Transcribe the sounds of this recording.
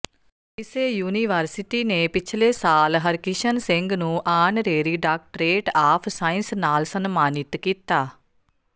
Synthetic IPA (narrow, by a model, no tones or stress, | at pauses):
ɪseːjuːniːʋəɾsɪʈiːneːpɪt͡ʃʰleːsaːlɦəɾkɪʃənsɪ̃ŋɡnũːʔaːnɾeːɾiːɖaːk̚ʈɾeːʈaːpʰsaːɪnsnaːlsənmaːnɪt̪kiːt̪aː